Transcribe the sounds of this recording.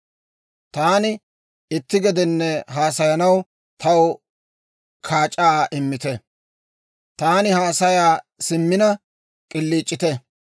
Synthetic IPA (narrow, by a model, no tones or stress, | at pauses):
t̪aːnɪ | ɪt̪ːɪɡɛd̪ɛnːɛɦaːsɐjɐnɐw | t̪ɐw | kʰaːt͡ʃʼːaːʔɪmːɪt̪ɛ | t̪aːnɪhaːsɐjaː | sɪmːɪnɐ | kʼɪlːiːt͡ʃʼːɪt̪ɛ